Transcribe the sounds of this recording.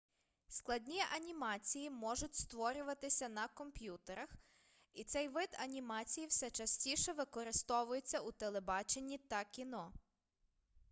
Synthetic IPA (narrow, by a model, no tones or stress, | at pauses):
sklˠɐdʲnʲijʔɐnʲimɑt͡sʲijimɔʒʊtʲst̪ʋɔɾʲʊʋɐt̪ɪsʲɐnɐkɔmpʲjut̪eɾɐx | it̪sɛjʋɪd̪ɐnʲimɑt͡sʲijiwsɛt͡ʃɐsʲtʲiʃɛʋɪkɔɾɪst̪ɔʋʊjet͡sʲːɐut̪elˠebɑt͡ʃe̞nʲːit̪ɐkʲinɔ